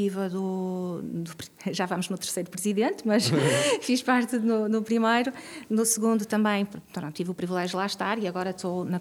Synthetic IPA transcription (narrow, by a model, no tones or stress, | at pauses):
ivɐðu | d̪upɾ | ʒavɐmuʒnut̪ɨɾsejɾupɾɨziðẽnt̪mɐʃfiʃpaɾt̪ɨnunupɾimɐjɾunusɨɣũnd̪ut̪ɐ̃mbɐ̃j̃ppɾõnt̪ivupɾivilˠɛʒjulˠaʃt̪aɾiɐɣɔɾɐt̪onɐ